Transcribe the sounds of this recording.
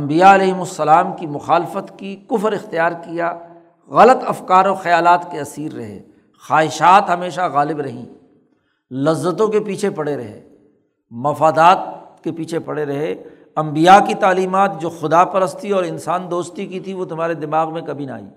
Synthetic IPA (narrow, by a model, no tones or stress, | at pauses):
ɐ̃mbijaɐlɛːɦɪmʊsːɐlaːmkimʊxaːlɪfət̪kikʊfɾɪxt̪ijaːɾkija | ɣɐlət̪ɐfkaːɾoːxɐjaːlaːt̪keɐsiːɾːɐ̰ɦḛː | xaːɦɪʃaːt̪ɦɐmeːʃaɣaːlɪbɾɐɦḭ̃ː | lɐzːət̪̬õkepiːt͡ʃʰepɐɽeɾɐ̰ɦḛː | mɐfaːd̪aːt̪kepiːt͡ʃʰepɐɽeɾɐɦe | ɐ̃mbijakit̪aːliːmaːt̪̚d͡ʒoːxʊd̪apɐɾəst̪iɔːɾɪnsaːnd̪oːst̪ikit̪ʰiʋot̪ʊmaːɾed̪ɪmaːɣmẽkɐbʱina̰ːḭː